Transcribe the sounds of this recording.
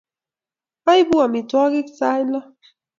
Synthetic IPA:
a˦jbu˦a˨mi˨twa˦ɡi˦ksa˦jla˦

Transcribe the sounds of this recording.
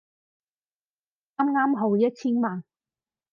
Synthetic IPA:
ŋaː˥mŋaː˥mɦo˨˧wjɐ˥t̚t͡sʰiː˥nmaː˨˩n

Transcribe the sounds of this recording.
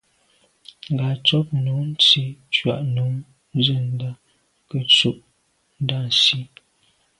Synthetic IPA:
ŋ̩˨ɡa˨t͡sɔ˦p̚nu˨˦n̩˦t͡si˦t͡ʃɥa˨ʔnu˨˦ŋ˦ | zə˦˨n̩˦da˦ | kə˨t͡su˦ʔ | n̩˦da˦˨n˨si˦

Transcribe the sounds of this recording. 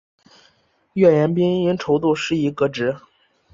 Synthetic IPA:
ɥɛ˥˩jɛ˧˥npi˥ŋi˥nʈ͡ʂʰo˧˥ʊt̪u˥˧ʂɻ̩˥˩i˧˥kɤ˧ʈ͡ʂɻ̩˧˥

